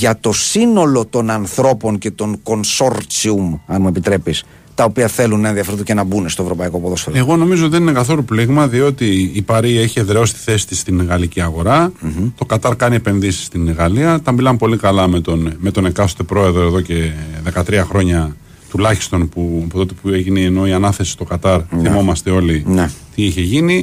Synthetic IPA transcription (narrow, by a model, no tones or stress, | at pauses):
ʝɐt̪o̞sino̞lo̞t̪o̞nɐnθɾo̞po̞nce̞t̪o̞ŋko̞nso̞ɾt͡siumɐnmue̞pit̪ɾe̞pis | t̪ɐo̞piɐθe̞lunːɐenðiɐfɾðucenɐbunest̪oe̞vɾo̞pɐiko̞ɐpoðo̞sfee̞ɣo̞no̞mizoot̪iðeninekɐθo̞lupliɣmɐðio̞t̪iːpɐɾie̞çie̞ðɾeo̞si̥t̪i̥θe̞si̥t̪ist̪inɣɐliciɐɣo̞ɾɐt̪o̞kɐt̪ɐɾkɐnie̞pe̞nðisi̥st̪inɣɐliɐt̪ɐmbilɐmpo̞likɐlɐmet̪onmet̪o̞nekɐθot̪e̞pɾo̞e̞ðɾoe̞ðo̞ce̞ðe̞kɐt̪ɾiɐxɾo̞ɲɐ | t̪ulɐçi̥st̪o̞npuɐpot̪o̞t̪epueʝineeno̞iɐnɐθe̞si̥st̪o̞kɐt̪ɐɾθimmo̞mɐst̪e̞o̞linet̪iiçe̞ʝini